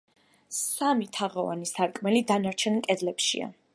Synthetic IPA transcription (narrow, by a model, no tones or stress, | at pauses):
samit̪ʰaʁɔva̰nisaɾkʼmɛlid̪anaɾt͡ʃʰɛnkʼɛd̪lɛpʃḭa̰